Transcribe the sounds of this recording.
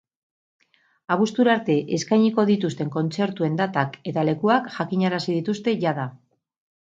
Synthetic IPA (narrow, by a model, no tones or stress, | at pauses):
aβust̪uɾaɾt̪e̞ʔeskajɲiko̞ðit̪ust̪e̞ŋko̞nt͡se̞ɾt̪ue̞nd̪at̪ake̞t̪ale̞kuakʝakiɲaɾasið̞it̪ust̪e̞ʝað̞a